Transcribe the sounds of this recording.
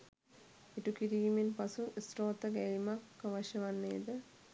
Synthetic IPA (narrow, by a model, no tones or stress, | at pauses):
iʈukiɾiːmenpasuisɾoːt̪əɡɛimakːəʋaʃɐʋanːejːd̪ə